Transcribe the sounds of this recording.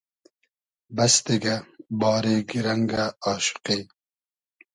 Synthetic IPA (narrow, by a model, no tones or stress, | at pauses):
bɐst̪eɡɐbɑːɾeːɡiɾɐŋɡaɑːʃʊ̥qe